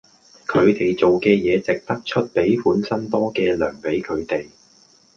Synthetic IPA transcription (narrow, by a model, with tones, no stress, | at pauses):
kʰɵ˨˧ɥt̪e˨jt͡so˨wkɛː˧jɛː˨˧t͡sɪ˨k̚t̪ɐ˥k̚t͡ʃʰɵ˥t̚pe˨˥jfuː˨˥nsɐ˥nt̪ɔː˥kɛː˧lœː˨˩ŋpe˨˥jkʰɵ˨˧ɥt̪e˨j